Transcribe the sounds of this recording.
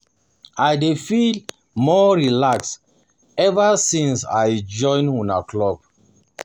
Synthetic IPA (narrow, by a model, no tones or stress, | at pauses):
ajdefil | mɔɹilaks | ɛvasĩnsa̰jd͡ʒɔ̃ɪ̃nuna̰klɔb̥̚